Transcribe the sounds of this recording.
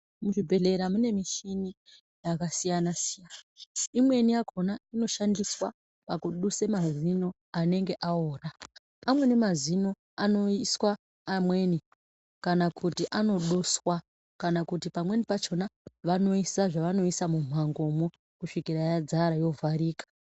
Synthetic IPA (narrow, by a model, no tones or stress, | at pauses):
muʐibʱe̞ɮe̞ɾamune̞miʃini | jakasijanasijaːnaaimwe̞nijakʰo̞naino̞ʃandiswa̰ | pakuɗusemazino̞ | ane̞ŋɡe̞ʔaoːna | pamwe̞nimazino̞ | ano̞iswaː | mwe̞ni | kanakʰutiʔano̞ɗuswa | kanakutipamwe̞nipat͡ʃo̞naʋano̞isaʐaʋano̞isamum̤aŋɡo̞mo | kuʂikirajad͡zaɾajo̞vʱaɾiːkḁ